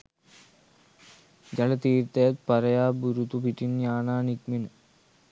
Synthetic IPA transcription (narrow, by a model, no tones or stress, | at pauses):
d͡ʑɐlɐt̪iːɾt̪ɐjɐt̪̚pɐɾɐjaːbuɾut̪upiʈːinjaːɳaːnikminɨ